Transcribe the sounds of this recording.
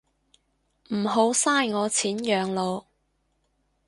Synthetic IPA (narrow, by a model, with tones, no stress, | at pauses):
m̩˨˩ɦo˨˥wsaː˥˩jŋɔː˨˧t͡sʰiː˨˥njœː˨ŋlo˨˧w